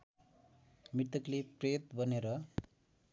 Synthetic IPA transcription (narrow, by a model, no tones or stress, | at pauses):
mit̪ʌklepret̪̚bʌneɾʌ